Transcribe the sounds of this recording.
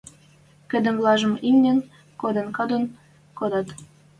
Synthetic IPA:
kə̆d̪ə̆mvlɑʒə̆mimnen | kod̪enkɑd̪on | kod̪ɑt̪

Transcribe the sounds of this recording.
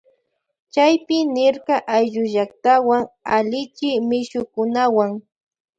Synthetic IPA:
t͡ʃajpɪnɪɾɢɑʔajʒʊʒak̚t̪awaŋalɪt͡ʃɪmɪʃʊkʊnawaŋ

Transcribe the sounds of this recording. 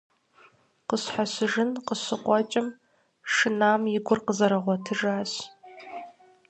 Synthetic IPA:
qəɕħaɕɪʒɨnqəɕɨqʷʼɔt͡ʃʼɐm | ʂɨnaːmjɪɡʷʊrqəzɐɾɐʁʷɔtʰɨʒaːɕ

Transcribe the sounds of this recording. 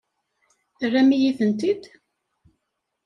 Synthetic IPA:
ərːæmijiθənt̪id̪

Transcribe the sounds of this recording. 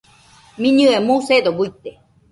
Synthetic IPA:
miɲɨemused̪obuit̪ːe

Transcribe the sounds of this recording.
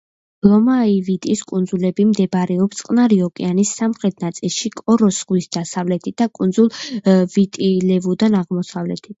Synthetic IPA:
lɔmaivit̪ʼiskʼund̪zulɛbimd̪ɛbaɾɛɔpst̪ʼqʼnaɾiɔkʼɛ̰anisːamχɾɛt̪̚ʰnat̪sʼilˠʃikʼɔɾɔsʁwisd̪asavlɛt̪ʰit̪̚d̪akʼund̪zulˠvit̪ʼilɛvud̪anaʁmɔsavlɛ̰t̪ʰit̪̚ʰ

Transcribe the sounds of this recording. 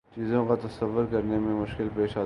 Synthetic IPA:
t͡ʃiːzõkat̪ɐsəʋːəɾkɐɾnemẽmʊʃkɪlpeːʃaː

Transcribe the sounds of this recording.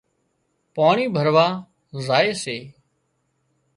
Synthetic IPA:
paːɳiːbʱəɾʋaː | zaːeːseː

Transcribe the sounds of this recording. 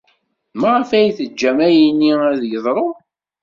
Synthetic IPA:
mæʁəfæjθəd͡ʒːæmæjinːiæðjəðˤɾˤo

